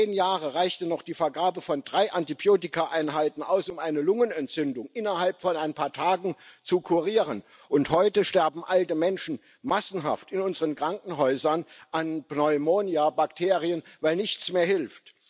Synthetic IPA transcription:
eːnjaːʁəʁaɪçtənɔχd̥iːfɛɐɡaːbəfɔndʁaɪʔantibjoːtɪkʰaʔaɪnɦaɪtn̩ʔaʊsʊmʔaɪnəlʊŋənɛntt͡sʏndʊŋʔɪnɐhalpfɔnaɪnpʰaːɐtʰaːɡŋ̩t͡sukʰuʁiːʁən | ʔʊnthɔʏtəʃtɛɐbm̩ʔaltəmɛnʃn̩ | masn̩ɦa̰ftɪnʊnzəʁənkʁ̥aŋkŋ̩ɦɔʏzɐnʔanpnɔʏmoːniabaktʰeːʁiənvaɪlnɪçt͡smeːɐhɪlft

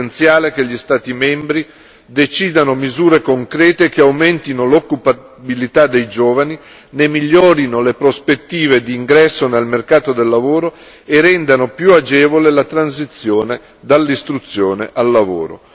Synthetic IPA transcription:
ent̪sjaːlekeʎːist̪aːt̪imɛmbɾi | d̪et͡ʃiːd̪anomizuːɾekoŋkɾɛːt̪ekeawment̪inolokːupa | bilit̪ad̪ːejd͡ʒoːvani | nemiʎːoːɾinolepɾospet̪ːiːved̪iːŋɡɾɛsːonelmerkaːt̪od̪elːavoːɾo | erɛnd̪anopjuad͡ʒɛːvolelat̪ɾans̬it̪sːjoːne | d̪alːist̪ɾut̪sːjoːneʔalːavo̰ːɾo̰

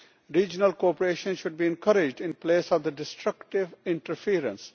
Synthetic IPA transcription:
ɾiːd͡ʒənəlkoːpəɾeːʃə̃nʃʊɖ̚biːɛ̃nkəɾɪd͡ʒɖɪ̃npleːsɔʋd̪əɖɪsʈɾʌkʈɪʋɪ̃ɳʈəɾfiːɾə̰̃ns

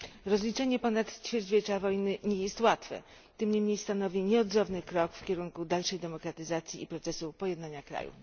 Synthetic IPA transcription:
ɾɔzlʲit͡ʂɛɲɛpɔnat̪t͡ɕfʲjɛɾd͡ʑvʲet͡ʂavɔjnɘɲɛjɛst̪wat̪fɛ̰ | t̪ɘmɲɛmɲejst̪anɔvʲiɲɛɔd̪zɔvnɘkɾɔkfkʲɛɾuŋkud̪alʂɛjd̪ɛmɔkɾat̪ɘzat̪sʲjiːpɾɔt̪sɛsupɔjɛd̪naɲakɾa̰jṵ

